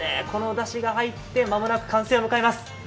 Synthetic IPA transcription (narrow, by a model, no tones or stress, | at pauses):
ḛkʰo̞no̞d̪aɕiɡaɦait̪ːe̞mamo̞nakɯ̟̥kʰãɰ̃se̞ːomɯ̟kaemasɨ̥